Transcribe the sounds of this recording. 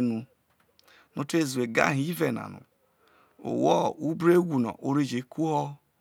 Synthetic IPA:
nu˦ | no˦te˦˨zwe˨ɡa̰˦˨ɦi˨˦i˦ve˨na̰˨nṵ˨ | o̰˨wɔ˦u˦bɾe˦ɡʷu˨nɔ̰˨ʔo˦ɾi˦d͡ʒe˨˦ku˦ɦɔ˦

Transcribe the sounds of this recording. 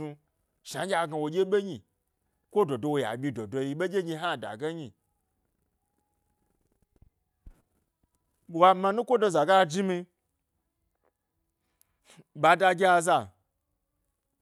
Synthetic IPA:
u˧ | ʃã˨˦ɡʲa˧ɡa˧wo˨ɡʲe˦ɓe˦ɲi˨ | kʷo˦do˨do˧wo˨ja̰˨ɓʲi˧do˨do˧ji˧ɓe˦ɡʲe˦ɲi˧ɦa˦˨da̰˨ɡe˦ɲi˨ | wa˧ma˧nũ˦kʷo˦do˧za˨ɡa˦˨d͡ʒi˦mi˧ | ɓa˧da˧ɡʲe˦a˧za˨

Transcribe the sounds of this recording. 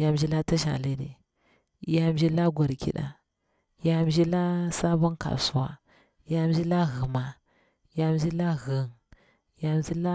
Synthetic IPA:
ja˦m˨d͡ʒi˦la˦ta˦ʃa̰˨le˦dḭ˨ | ja˦m˦d͡ʒi˦la˦ɡʷa˨ɾkḭ˦ɗa̰˨ | ja˦m˦d͡ʒi˦la˦sa˦ba˦nka̰˨su˨wa̰˨ | ja˦d͡ʒi˦la˦ɣə˨ma˨ | ja˦m˦d͡ʒi˦la˦ɣə˨n | ja˨m˨d͡ʒi˦la˦

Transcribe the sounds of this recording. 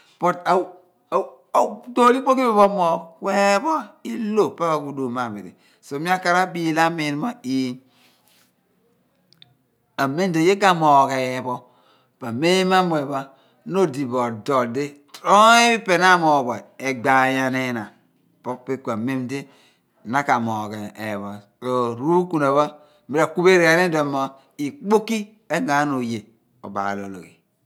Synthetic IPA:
po˨ta˨ | do˦li˦k͡po˦ki˦be˦βo˦mo˨kwe˦bɔ˦i˦lo˦˨pa˦βa˨ku˦do˨ma˨be˨ḛ˨ | so˨mi˦a˦ka˦ɾa˦bi˦la˦me˨n˦ma˨i˦ | a˨me˦m˦de˨je˦ɡa˨mo˨ke˨bo˦ | pa˨me˦ma˦mo˨e˨ba˦ | no˦di˨bo˨do˨de˦tɾo˦e˦i˦pe˨na˦mo˨bo˨e˨ɡ͡ba˨ja˨ne˦na˨ | po˦pe˦kʷa˨me˦mde˦˨ | na˦ka˨mo˨ke˨e˨βo˨ | o˨ɾu˦ku˦ne˨βa˦˨ | mi˦ɾa˨ku˦be˦ɾa˨ne˦dmo˨ | i˨k͡po˦ki˦ | e˦ɡa˨˦no˨je˨ | o̰˨ba̰˨lo˨lo̰˨ki˨

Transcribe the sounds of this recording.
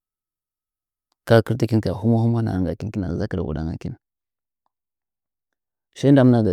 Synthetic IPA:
ka˦ki˦ɾti˦ki˦nka˨xu˦ma˦hu˦ma˦na̰˨ŋɡa˨ki˦n˦ki˦na˨za˦ki˨ɾ̰wṵ˨ɗa̰˦ŋa̰˨ki˦n | ʃa˦n˦da˦mna˦ɡa˨

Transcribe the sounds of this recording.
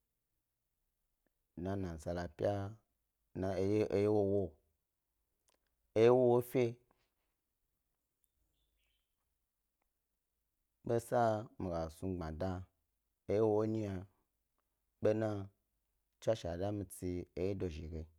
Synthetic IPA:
nã˨nã˨za˧la˨pʲja˦ | na˨˦e˨je˦wo˦wo˦ | e˦je˦wo˦wo˦fʲe˦ | ɓe˦sa˦mi˨ɡa˨su˧ɡ͡bã˨da˦ | e˦je˦wo˦wo˦ɲi˦ja˧ | ɓe˦nã˦˧ | t͡ʃʷa˦ʃa˨da˦mi˧t͡si˧e˨je˦do˨ʒi˨ɡe˨

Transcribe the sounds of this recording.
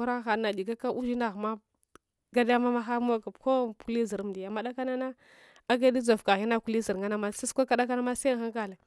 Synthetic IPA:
u˦ɾa˦xa˨˦na˨di˨ɡa˦ka˦ʔu˦d͡ʒi˦na˦˨ɣma˦ | ɡa˦da˦ja˦ma˦ma˦xa˦m˦o˦ɡa˨bko˦ku˦li˦zi˨ɾm˨di˨ja˨ma˦ɗa˦ka˦na˦na˦ | a˦ɡa˦di˦zo˨fka˨ɣi˦na˦ku˦li˦zi˨ɾŋa˦na˦ma˦si˦skʷa˦ka˦da˦ka˦na˦ma˦sa˦xa˦ŋka˨le˨

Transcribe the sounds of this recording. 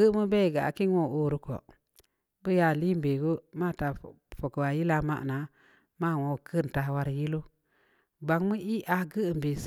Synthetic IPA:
ə˦mə˦be˦˨ɡa˨a̰˨ki˦nwo˦˨o˦˨ɾu˦ko̰˨ | bə˦ja˨li˦m˨be˨ɡo˦ma˦˨ta˨ | fo˨kwa˨ji˦la˦ma̰˦ʔna˨ | ma˦˨wo˨˦˨kʰə˦˨n˨ta˨wa˦ɾji˦lo˦ | ba˨ŋmə˦i˦ʔa˨ɡə˦˨m˨be˨s

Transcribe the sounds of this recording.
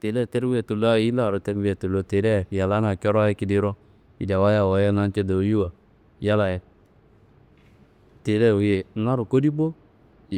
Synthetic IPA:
te˨lɛ˦˨tɛ˦ɾwi˦ɛ˨tu˨lo˦a˦ji˦la˦˨ɾo˨te˦ɾwi˦jɛ˨tu˨lo˨te˨dɛ˦˨ja˨la˦na˨kɔ˦ɾa˦je˦ki˨di˦ɾo˦ | i˨da˨wa˦ja˦˨wo˨˦jɛ˦˨na˦n˦t͡ʃe˦do˨˦ju˦wa˨ | ja˦la˨jɛ˨ | te˨dɛ˦˨wu˨je˨˦na˦ɾu˨ko˦di˦bo˦˨

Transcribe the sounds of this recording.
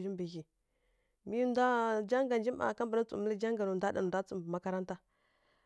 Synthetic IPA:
d͡ʒi˦mbə˨ɣi˨ | mi˦nda˦d͡ʒa˦ŋɡa˨nd͡ʒi˦ma̰˨ka˦mbə˨na˦t͡sṵ˨mə˦lə˦d͡ʒa˦ŋɡa˨nu˨nda˦ɗa˨da˦t͡su˨mbə˨ma˦ka˦ɾa˦nta˦

